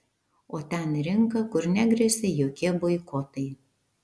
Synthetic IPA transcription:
oːt̪ʲɛnɾʲɪŋkɐkʊɾnʲæɡɾʲɛsʲejoːkʲiɛboɪkoːt̪ɐɪ

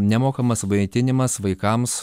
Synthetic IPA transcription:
nʲɛmoːkɐmɐsʋɐt̪ʲɪnʲɪmɐsʋɐɪkɐms

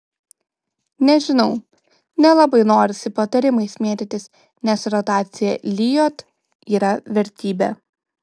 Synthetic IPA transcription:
nʲɛʒʲɪnɒʊ | nʲɛlˠɐbɐɪnoːɾʲɪsʲɪpɐt̪ɐɾʲɪmɐɪsmʲiɛd̪ʲɛt̪ʲɪs | nʲɛsɾɔt̪ɑːt̪sʲɪjɛlʲɪjoːt̪ | iːɾɐʋʲɛɾʲt̪ʲiːbʲeː

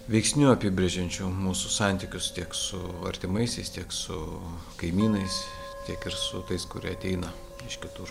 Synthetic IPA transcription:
ʋʲɛɪksʲnʲuɐpʲiːbʲɾʲeɛʒʲɛnʲt͡ʃʲuːmuːsʊsɑnʲt̪ʲikʲʊst̪ʲiɛksʊɐ̰ɾʲt̪ʲɪmɐɪsʲɛɪst̪ʲiɛksʊ | kɐɪmʲiːnɐɪs | t̪ʲiɛkɪɾsʊt̪ɐɪskʊɾʲḭɛɐt̪ʲɛɪnɐ | ɪʃkʲɪt̪ʊɾ

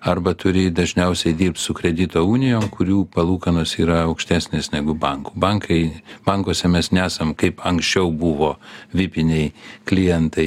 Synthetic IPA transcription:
ɐɾbɐt̪ʊɾʲɪd̪ɐʒʲnʲɛʊsʲɛɪd̪ʲiːɾp̚t̪sʊkɾʲɛd̪ʲɪt̪oːuːnʲɪjoːmkʰʊɾʲuːpɐlˠuːkɐnoːsiːɾɐɐʊkʃʲt̪ʲæːsʲnʲeːsnʲɛɡʊbɐŋku̥ːbɐŋkʰɐɪb̥ɐŋkoːsʲɛmʲɛsnʲɛæːsɐmkɐɪpɐŋksʲt͡ʃʲɛʊbuʋoːʋʲɪpʲɪnʲɛɪklʲɪjɛnt̪ɐɪ

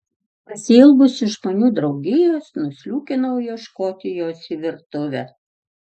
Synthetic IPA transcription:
pɐsʲɪɪlˠbʊsɪʃmɐnʲuːd̪ɾɒʊɡʲɪjoːsnʊsʲlʲuːkʲɪnɐʊjɛʃkoːt̪ʲɪjoːsiʋʲɪɾt̪ʊʋʲɛ

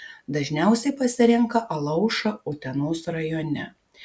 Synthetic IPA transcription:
d̪ɐʒʲnʲæˑʊsʲɛɪpɐsʲɪɾʲɪŋkɐʔɐlˠɐʊʃɐʊt̪ʲɛnoːsɾɐjoːnʲɛ

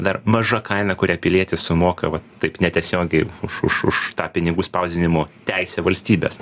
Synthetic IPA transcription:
d̪ɐrmɐʒɐkɐɪnɐkʊɾʲiːpʲɪlʲiɛt̪ʲɪssʊmoːkɐʋɐt̪tːɐɪpnʲɛt̪ʲiɛsʲoːɡʲɛɪʊʃʊ̰ʃʊʃt̪ɑːpʲɪnʲɪɡuːspɐʊzʲɪnʲɪmoːt̪ʲɛɪsʲɛːʋɐlʲsʲt̪ʲiːbʲḛːs

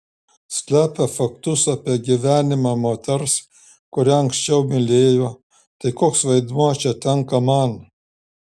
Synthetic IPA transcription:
sʲlʲæːpʲæfɐk̚t̪usapʲɛːɡʲiʋʲæːnʲɪmamoːt̪ʲɛɾs | kʊɾʲaɐŋksʲt͡ʃɛwmʲɪlʲeːjo | t̪ɐjkoːksʋɐjd̪muɔt͡ʃɛt̪ʲɛŋkɐmaːn

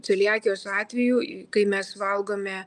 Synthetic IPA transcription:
t͡sʲɐlʲiɑːk̪ʲɪjoːsɑːt̪ʲʋʲɛjukɐɪmʲɛsʋɐlˠɡoːmʲɛ

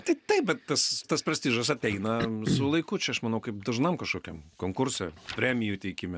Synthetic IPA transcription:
t̪ɐɪt̪ɐɪp̚bʲɛt̪t̪ːɐst̪ɐspɾɐsʲt̪ʲiːʒɐs̬ɐt̪ʲɛɪnɐsʊlˠɐɪkʊt͡ʃʲɛɐʃmɐnɐʊkɐɪp̚d̪ɐʒnɐmkɐʃkoːkʲɛmkoːŋkʊrʲsʲɛpʲɾʲæmʲɪjut̪ʲɛɪkʲɪmʲɛ

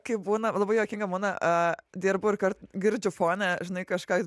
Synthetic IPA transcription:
kɐɪp̚buːnɐlˠɐbɐɪjoːkʲɪŋɡɐmuːnɐʔɐd̪ʲiːɾbʊɪɾkɐrt̪ɡʲɪɾʲd͡ʒʲʊfoːnʲɛʒʲɪnɐɪkɐʃkɑː

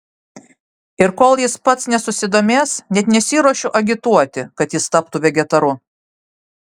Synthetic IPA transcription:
ɪɾkoːlˠjɪspɐt̪snʲɛsʊsʲɪd̪oːmʲeːsnʲɛt̪nʲɛsʲiːɾoɔʃʲʊʔɐɡʲɪt̪uɔt̪ʲɪkɐt̪jɪst̪ɐpt̪uʋʲɛɡʲɛt̪ɐɾʊ

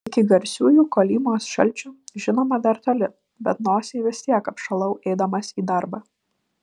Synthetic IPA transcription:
ɪkʲɪɡɐɾʲsʲuːjuːkoːlʲiːmoːsʃɐ̰lʲt͡ʃʲʊʒʲɪnoːmɐd̪ɐɾt̪oːlʲɪ | bʲɛt̪noːsʲeɪʋʲɪsʲt̪ʲiɛkɐpʃɐlˠɐʊʔɛɪd̪ɐmɐsiːd̪ɐɾbɑ

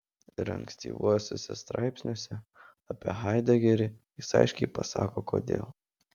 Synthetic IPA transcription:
ɪɾɐ̰ŋksʲt̪ʲḭːʋuɔjsʲoːsʲɛst̪ɾɑ̰ɪpʲsʲnʲoɔsʲɛ | ɐpʲiɛɦɑɪd̪ʲɐɡʲɛɾʲɪjɪsɐ̰ɪʃʲkʲɛɪpɐsɑ̰ːkoːko̰ːd̪ʲḛːlˠ

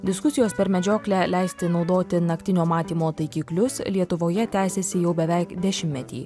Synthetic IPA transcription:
d̪ʲɪskʊsʲɪjoːspʲɛɾmʲɛd͡ʒʲoːklʲælʲɛˑɪsʲt̪ʲɪnɒʊd̪oːt̪ʲɪnɐkt̪ʲɪnʲoːmɑːt̪ʲiːmoːt̪ɐɪkʲiːklʲʊslʲiɛt̪ʊʋoːjɛt̪ʲæːsʲesʲɪjɛʊbʲɛʋʲɛɪkd̪ʲɛʃʲɪmːʲɛt̪ʲḭː

